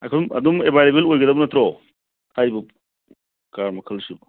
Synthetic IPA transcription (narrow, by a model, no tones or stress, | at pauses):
ajkʰɐdumɐ̰d̪umebʱajlebelojɡɐdɐbɐnɐt̪ɾɔ | tʰajbɐ | kaɾmɐkʰɐlsibɐ